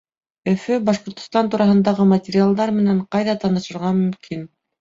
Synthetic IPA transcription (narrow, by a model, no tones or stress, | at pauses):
ɵ̆fɵbɑʃqŏɾt̪ŏst̪ɑnt̪uɾɑɦɤ̆nd̪ɑʁɤmɐtʲɪɾʲialˠd̪ɑɾmɘ̆næɴqɑjðɑt̪ɑnɤ̆ʃɤ̆ɾʁɑmɵ̆mkʰin